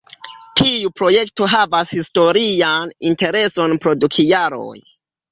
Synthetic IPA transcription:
tʰiupɾo̞je̞kto̞ɦavashisto̞ɾianinte̞ɾe̞so̞npɾo̞dukʰijaɾo̞̰j

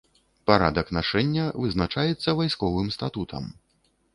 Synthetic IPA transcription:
paɾad̪ɐknaʂɛnʲːɐvɨznat͡ʂajɛt̪sːɐvajskɔvɨmst̪at̪ut̪ʰɐ̰m

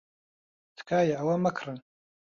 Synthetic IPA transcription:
tʰkʰaːjaawamakʰran

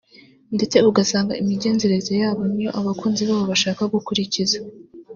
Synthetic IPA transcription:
nde̞t͡se̞uɡasaːŋɡa̰imiɟe̞ːnze̞ɾe̞zejaːβo̞nijo̞̰ʔaβakuːnziβaːβoβaʃaːkaɡukuɾiciza

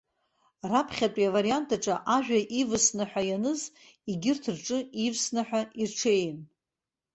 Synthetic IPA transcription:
rapʰχʲatʼjavaɾijantʰaʈ͡ʂʼaʔaʒᶣaʔivɨsnɨħʷᶣajanɨz | iɡʲɪrtʰɨrʈ͡ʂʼɨivsnaħʷᶣairʈ͡ʂʰejn

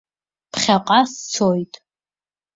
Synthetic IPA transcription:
pʰχʲaqʼast͡sʰojtʼ

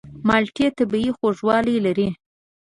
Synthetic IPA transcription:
mɑlʈet̪abiixoʐwɑlijlaɾi

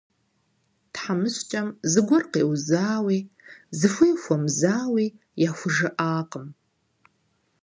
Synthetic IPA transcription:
tħamɨɕt͡ʃʼɐmzɨɡʷʊrqḛːwzaːwiːzɨfʷijxʷɔmzaːwiː | jaːxʷʊʐɨʔaːqəm

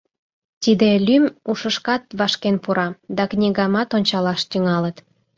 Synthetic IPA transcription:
t̪id̪elʲymuʃəʃkɑt̪̚βɑʃkenpuɾɑd̪ɑknʲiɣɑmɑt̪onʲt͡ɕɑlɑʃt̪yŋɑlət̪

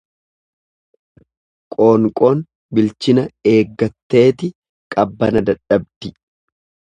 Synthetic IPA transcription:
kʼoːŋkʼoːn | bɪlt͡ʃɪnɐe̞ːɡːɐt̪ːe̞ːt̪ɪ | kʼɐbːɐnɐd̪ɐᶑɐb̚d̪̥ɪ

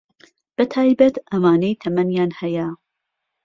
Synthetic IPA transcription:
b̥ɐt̪ʰaːjbɐt̪ɐmaːnejt̪ʰɐmɐnjaːnhɐjɐ

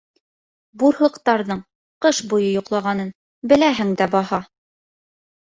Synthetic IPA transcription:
buɾhɤ̆qt̪ɑɾðɤɴ | qɤʃbujɤjŏqlˠɑʁɑnɤn | bɘ̆læɦɘŋd̪æbɒhɑ

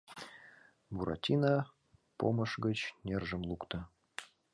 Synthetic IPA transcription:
buɾɑ̰tʲinɑ | po̰mə̆ʃɡə̆t͡ɕnʲerʒə̆mlˠukt̪ə

